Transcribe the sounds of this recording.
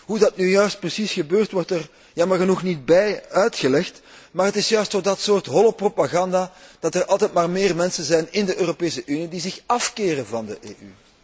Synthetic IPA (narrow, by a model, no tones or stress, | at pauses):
ɦudɑt̚nyjœɥst̚prəsisxəbøːrtwɔrtər | jɑːmərɣənuxnit̚bɛjœɥtxəlɛxtmaːrɦətɪsjœɥstoːdɑtsoːrtɦɔlopropaɣɑndaːd̥ɑtərʔɑlˠtɛjt̚maːrmeːrmɛnsənzɛjnɪndəʔøːropeːsəʔynidizɪxɑfkeːɾənvɑndəʔḛːʔy̰